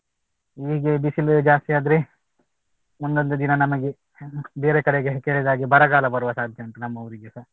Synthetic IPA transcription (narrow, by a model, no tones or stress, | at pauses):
iɡebisild͡ʒaːst̪iaːd̪ɾe | mund̪ond̪ud̪inɐnɐmɐɡe | beːɾekɐɽeɡekeːɭid̪aːɡibɐɾɐɡaːlɐbɐɾuʋɐsaːd̪ʱjɐuɳʈunɐmːɐʋɐɾiɡesɐɾ